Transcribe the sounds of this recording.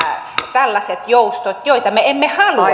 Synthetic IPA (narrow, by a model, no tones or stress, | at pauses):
t̪ælːɑset̪joust̪ot̪joit̪ɑmeemːehɑlu